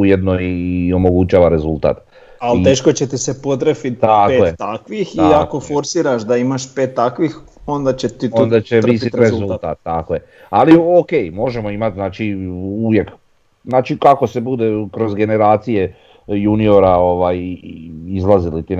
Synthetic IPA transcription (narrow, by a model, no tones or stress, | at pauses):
ujed̪nojio̞mo̞ɡut͡ʃaːʋaɾe̞zulˠt̪a̰ːt̪ | alieːʃkot͡ɕet̪isepod̪ɾefit̪t̪akːoet̪akʋixiako̞fo̞ɾsiːɾaʃd̪aimaʃpeːt̪ːakʋix | ond̪at͡ɕet̪it̪und̪at͡ɕeʋisit̪ɾezzulˠt̪aːt̪̚ːakoje | aliokejmo̞ʒe̞mo̞imat̪znaːt͡ʃiuʋje̞k | znaːt͡ʃikako̞se̞bud̪e̞kɾo̞zɡe̞ne̞ɾaːt̪sije̞ | junio̞ɾao̞ʋaːj | izlazilit̪i